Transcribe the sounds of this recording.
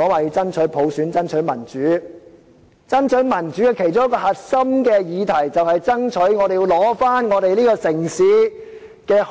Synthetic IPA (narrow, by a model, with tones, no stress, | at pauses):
ɔː˨˧waː˨˩ji˧t͡sɐ˥nt͡ʃʰɵ˨˥pʰo˨˧wsyː˨˥nt͡sɐ˥nt͡ʃʰɵ˨˥mɐ˨˩nt͡ʃyː˨˥ | t͡sɐ˥nt͡ʃʰɵ˨˥ɥmɐ˨˩nt͡ʃyː˨˥jɐ˨˩kʰe˨˩jt͡sʊ˥ŋjkɔː˧hɐ˨t̚sɐ˥mkɛː˧jiː˨˧t̪ʰɐ˨˩jt͡sɐ˨whɐ˨jt͡sɐ˥nt͡ʃʰɵ˨˥ɥŋɔː˨˧ɾe˨ji˧wlɔː˨˥faː˥nŋɔː˨˧ɾe˨jliː˥kɔː˧sɪ˨˩ŋsiː˨˥ | kɛː˧